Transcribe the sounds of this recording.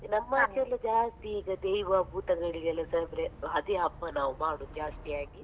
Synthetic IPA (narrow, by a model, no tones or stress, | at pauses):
nɐmːɐːd̪ʰjɐlːɐd͡ʒaːst̪iiːɡɐd̪ejʋaːbʱuːt̪ɐɡɐɭiɡɛlːɐsɐbɾeɦɐd̪iɦɐpːɐnaːʋumaːɽud͡ʒaːst̪ijaːɡi